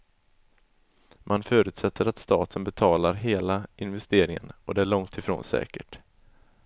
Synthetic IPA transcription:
mʔanfœːɾʉ̟ːt̪sɛt̪ʰːəɾat̪st̪ɑ̰ːt̪ʰənbɛt̪ʰɑːlaɾɦeːlaɪnvɛst̪eːɾɪŋə̰nɔd̪ɛæɭɔŋt̪ʰɪfɾo̰ːnsɛ̰ːkəʈ

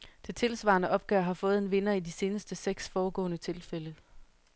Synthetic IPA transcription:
d̥e̝t͡sʰe̝lsʋɑ̰̈ːnəʔɒ̽b̥ɡ̥ɶɐ̰ɦɑ̈fɔ̽ːð̞̩ˠe̝nʋe̝nɐidise̝ːnəsd̥əseɡ̥sfɒːɡ̥ɔ̰ːnət͡sʰe̝lfel̰ə

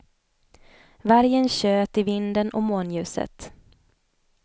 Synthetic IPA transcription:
væɾjənɕøːt̪ɪvɪnd̪ənɔ̰moːnjʉ̟ːsə̰t̪

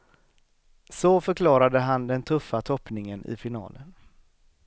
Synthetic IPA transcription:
sɔfœɾkʰlɑːɾad̪əɦand̪ɛnt̪ʰɵfːat̪ʰɔpːnɪŋənɪ̰fɪnɑ̰ːlən

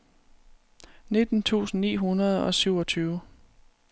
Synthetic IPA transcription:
ne̝d̥n̩t͡sʰṵːsn̩nḭːɦunɐð̞ˠɒ̽syʊɒt͡sʰyːʊ

